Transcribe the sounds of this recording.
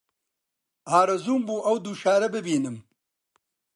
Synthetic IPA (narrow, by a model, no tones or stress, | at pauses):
haːɾɐzuːmbuːʔɐwd̪uːʃaːɾɐbɨbiːnɨm